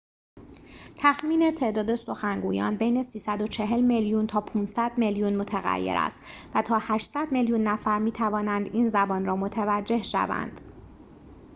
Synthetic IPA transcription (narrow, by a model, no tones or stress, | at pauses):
t̪ʰæxmiːnet̪ʰe̞ːʔd̪ɒːd̪e̞so̞xæŋɡuːjɒ̰ːnbe̞jne̞siːsæd̪o̞t͡ʃʰe̞ɦe̞lme̞ljuːnt̪ʰɒːpʰuːnsæd̪̥me̞ljunmo̞t̪ʰæɣæ̰jːḛɾæ̰st̪væt̪ʰɒːhæʃsæd̪me̞ljuːnːæfæɾmiːt̪ʰævɒːnænd̪iːnzæbɒːnrɒːmo̞t̪ʰævæd͡ʒːe̞hʃæ̰væ̰nd̪̥